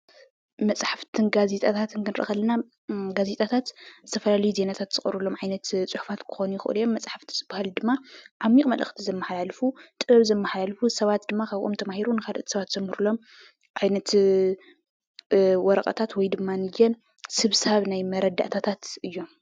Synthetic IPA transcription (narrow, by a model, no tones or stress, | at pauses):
mɐt͡sʼħaft̪ʰɨnɡazet̪ʼat̪ʰat̪ɨnkɨnɾʔɨ̰xɐlːɐna | ɡaze̞t̪ʼat̪ʰat̪zɨt̪ʰɐfɐlalɐjuze̞nat̪ʰat̪z̥ɨχʼɨɾulo̞mʕajnɐt̪t͡sʼuħufat̪kʰɨ̥xo̞nujɪxɨʔɨ̰ljːomːɐt͡sʼħaft̪ʰi̥sʼɨbahɨld̪ɨmːaʕamːikʼmɐlʔɐ̰xt̪ʰizɐmːɐħlalfut̪ʼɨβɐβzɐmːɐħlalfusɐβat̪̚d̪ɨmːakʰaβʔomt̪ʰɐmahiɾunɨkʰalʔt̪ʰisɐβat̪z̥ɐmhɨɾulo̞m | ʕajnɐt̪ | wɔɾɐkʼɐ̰t̪ʰat̪wɔjd̪ɨmːanɨjɛn | sɨβsaβnajmɐɾɐd̪a̰ʔt̪ʰat̪ʰat̪ɨjːo̞m